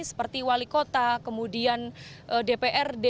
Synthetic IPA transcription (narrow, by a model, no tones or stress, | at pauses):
sə̥pərt̪iwalikot̪akəmudianʔədepeʔɛrde